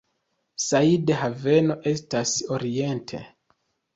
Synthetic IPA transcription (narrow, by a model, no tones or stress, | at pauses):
saideɦave̞no̞ʔe̞stasoɾie̞ntʰe̞̰